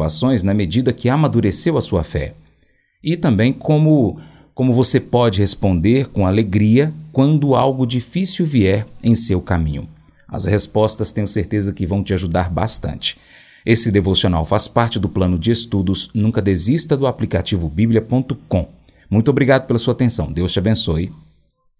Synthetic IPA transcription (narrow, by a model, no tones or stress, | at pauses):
a̰sõj̃znɐmed͡ʒid̪ɐkɪamad̪uɾesewɐsuɐfɛ̰ | ɪt̪ɐ̃mbẽj̃kʰõmʊ | kõmʊvosepɔd͡ʒɪhespõnd̪eɾkõaleɡɾiɐkwɐ̃nd̪ʊawɡʊd͡ʒifisiwviɛɾẽj̃sewkamḭ̃ɲʊ̰ | ɐ̰shespɔst̪ɐst̪ẽj̃ʊ̃seɾt̪ezɐkɪvɐ̃w̃t͡ʃɪaʒud̪aɾba̰st̪ɐ̰̃t͡ʃɪ̥ | esɪd̪evosiona̰wfaspaɾt͡ʃɪd̪ʊplɐ̃nʊd͡ʒɪest̪ud̪ʊznũkɐd̪ezist̪ɐd̪ʊaplikat͡ʃivʊbibliɐpõnt̪ʊkõ | mũt̪ʊobɾiɡad̪ʊpelɐsuɐat̪ẽsɐ̃w̃d̪ewst͡ʃɪabẽsoj